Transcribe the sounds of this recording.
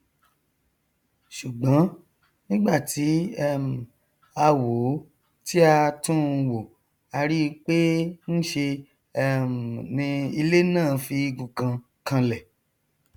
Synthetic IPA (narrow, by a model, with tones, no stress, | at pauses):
ʃu˨ɡ͡bã˨˦ | nĩ˦ɡ͡ba˦˨ti˨˦ɛ˦m˨ | a˧wo˨˦ | ti˦a˧tũ˦˧wo˨ | a˧ɾi˦˧k͡pe˦n̩˦ʃe˧ | ɛ˦m˨nĩ˧i˧le˦nãː˦˨˧fi˧i˧ɡũ˨kã˧ | kã˧lɛ˨